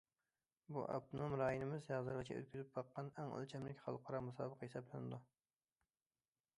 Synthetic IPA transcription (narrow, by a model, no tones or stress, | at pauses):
bṵʔɑ̰p̚t̪ʰɨnomɾɑːjinɪmɪzjɑʁzɨɾʁɨt͡ʃʲʰɛ̰ø̰t̪̚kʲyzɪp̚bɑqːɑnɛŋo̰lt͡ʃʰɛmlɪkʲχɑ̰lˠqʰɑɾɑmusɑ̰ːbəqʰɑhesɑblˠɪnɪd̪u